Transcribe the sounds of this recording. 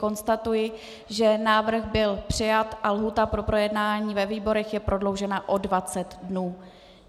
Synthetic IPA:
ko̞nst̪at̪ujɪ | ʒɛnaːvr̩xbɪlpr̝̥ɪjat̪ʔalɦuːt̪apɾo̞pɾo̞jɛdnaːɲiːvɛviːbo̞ɾɛxjɛpɾʔo̞dlo̞wʒɛnaʔo̞dvat͡sɛt̪dnuː

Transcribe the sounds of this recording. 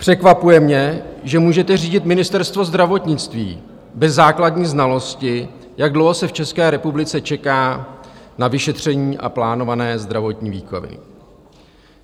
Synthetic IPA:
pr̝̥ɛkvapujɛmɲɛʒɛmuːʒɛt̪ɛr̝iːɟɪt̪mɪnɪst̪ɛɾst̪vo̞zd̪ɾavo̞t̪ɲɪt͡st̪vḭː | bɛzːaːkladɲiːznalo̞scɪ | jaɡ̚dlowɦo̞sɛft͡ʃɛskɛːɾɛpublɪt͡sɛt͡ʃɛkaːnavɪʃɛt̪r̝̥ɛɲiːʔa̰plaːno̞vanɛːzd̪ɾavo̞t̪ɲiːviːko̰vɪ̰

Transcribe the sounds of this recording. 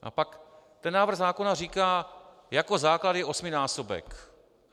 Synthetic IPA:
ʔa̰pak | t̪ɛnːaːvr̩ɣzaːko̞nariːkaː | jako̞zaːklad̪jɛʔo̞smɪnaːsobɛ̰k

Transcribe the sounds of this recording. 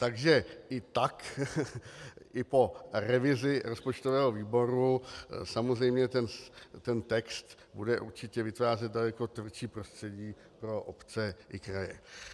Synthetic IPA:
t̪aɡʒɛʔɪt̪ak | ʔɪpo̞ɾɛvɪzɪɾo̞spot͡ʃt̪o̞vɛːɦo̞viːbo̞ɾusamozr̝ɛjmɲɛt̪ɛnt̪ɛnt̪ɛkst̪ | budɛʔuɾt͡ʃɪcɛvɪt̪vaːrɛt̪̚dalɛko̞t̪vr̩t͡ʃiːpɾost̪r̥ɛɟiː | pɾo̞ʔopt͡sɛʔɪkɾajɛ

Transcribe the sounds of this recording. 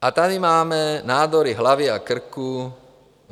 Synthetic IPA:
at̪ad̪imaːmɛnaːd̪ɔɾiɦlaʋiakr̩ku

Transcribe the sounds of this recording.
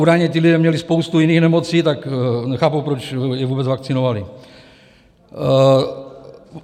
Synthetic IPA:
uːdajɲɛt̪ɪlidɛːmɲɛlispo̞wst̪ujɪniːxnɛmot͡siːt̪aknɛxaːpuwpɾot͡ʃjɛvuːbɛd͡zvakt͡sɪnovali

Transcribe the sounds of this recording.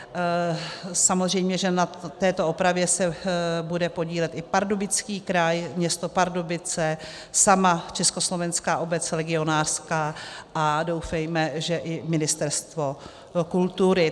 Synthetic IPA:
samozr̝ɛjmɲɛʒɛnat̪ɛːt̪o̞opɾavjɛsɛbudɛpo̞ɟiːlɛt̪ʔɪpaɾdobɪt͡skiːkɾajmɲɛst̪o̞paɾdobɪt͡sɛ | samat͡ʃɛsko̞slo̞vɛnskaːʔo̞bɛt͡slɛɡɪo̞naːr̥skaːʔado̞wfɛjmɛʒɛʔɪmɪnɪst̪ɛɾst̪vo̞ | kult̪uɾɪ

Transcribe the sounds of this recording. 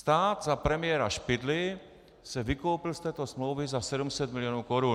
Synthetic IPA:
st̪aːd̪zapɾɛmɪjɛɾa̰ʃpɪd̪lɪ | sɛvɪkowpɪlst̪ɛːt̪o̞smlowvɪzasɛdumsɛt̪mɪlɪjonuːkoɾun

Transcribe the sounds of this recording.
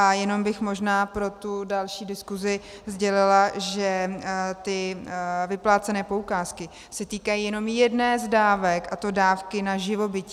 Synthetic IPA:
ʔajɛno̞mbɪxmo̞ʒnaːpɾo̞t̪udalʃiːdɪskuzɪ | zɟɛlɪlaʒɛt̪ɪvɪplaːt͡sɛnɛːpo̞ukaːskɪ | sɛt̪iːkajiːjɛno̞mjɛdnɛːzdaːvɛkʔat̪o̞daːfkɪnaʒɪvo̞bɪci

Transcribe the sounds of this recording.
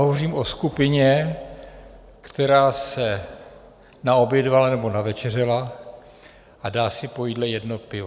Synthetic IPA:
ɦovoriːmoskupɪɲɛ | kt̪ɛɾaːsɛ | naobjɛdvalanɛbo̞navɛt͡ʃɛrɛla | ʔadaːsɪpo̞jidlɛjɛdnopɪvo

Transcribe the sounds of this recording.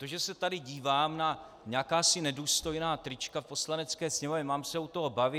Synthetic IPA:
t̪oʒɛsɛt̪adɪɟiːvaːmna | ɲakaːsɪnɛduːst̪o̞jnaːt̪ɾɪt͡ʃkafpo̞slanɛt͡skɛːsɲɛmovɲɛmaːmsɛut̪oɦo̞bavɪ

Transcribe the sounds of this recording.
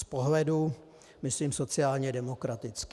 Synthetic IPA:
spoɦlɛdu | mɪsliːmso̞t͡sɪaːlɲɛdɛmo̞kɾat̪ɪt͡sk

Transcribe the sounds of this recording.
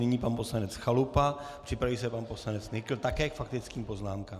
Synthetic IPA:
nɪɲiːpanpo̞slanɛt͡sxalupapr̝̥ɪpɾaviːsɛpanposlanɛt͡snɪkl̩t̪akɛːkfakt̪ɪt͡skiːmpo̞znaːmkaːm

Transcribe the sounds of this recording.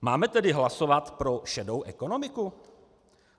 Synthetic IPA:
maːmɛt̪ɛdɪɦlaso̞vat̪pɾo̞ʃɛdo̞wʔɛko̞no̞mɪku

